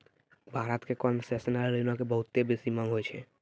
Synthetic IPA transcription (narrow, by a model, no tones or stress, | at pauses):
bʱaːɾat̪kekɔnsesnaɾlinãkebəɦʊt̪ːebisimamɦoːjt͡ʃʰe